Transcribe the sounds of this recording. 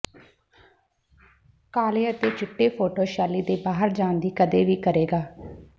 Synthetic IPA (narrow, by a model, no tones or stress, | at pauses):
kaːleːət̪eːt͡ʃɪʈːeːpʰoːʈoːʃaːliːd̪eːbaːɦəɾd͡ʒãːnd̪iːkəd̪eːʋiːkəɾeːɡaː